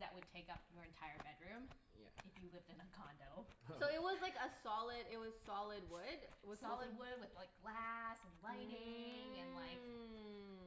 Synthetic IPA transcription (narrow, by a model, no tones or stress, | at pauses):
ðɨʔ̚wɨd̚tʰeɪkʌp̚jə˞ɨ̃ntʰaɪə˞bɛdɹʉ̃m̰ | ɨfjɨlɪvdɨ̃nəkʰɑ̃ndoʊsoʊɪt̚wʌzlaɪkəsɑlˠɪdɪt̚wʌz̥sɑlˠɪd̚wʊd̥ɪt̚wʌz̥sɑlˠəd̚wʊd̚wɨð̥laɪk̚ɡ̥læsnlaɪɾɪ̃ŋɨ̃nlaɪk